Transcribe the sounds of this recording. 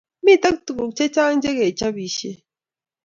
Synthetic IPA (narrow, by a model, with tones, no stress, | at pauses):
mi˦˨ta˦k̚tu˨ku˨k̚t͡ʃe˦t͡ʃa˦ŋn̩˦d͡ʒe˦ɣe˨t͡ʃa˦bi˨ʃe˦